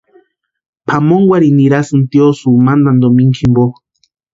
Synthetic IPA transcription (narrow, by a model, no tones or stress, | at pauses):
pʰamoŋɡwʷaɾiniɾasɨnt̪iosumand̪and̪omiŋkʰimbo